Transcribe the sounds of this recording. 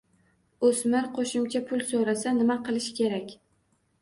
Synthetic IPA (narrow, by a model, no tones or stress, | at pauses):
osmɪɾqʰoʃɪmt͡ʃʰapʰʊlˠsoɾasanɪmaqʰɨlˠɪʃkʲʰe̞ɾakʲ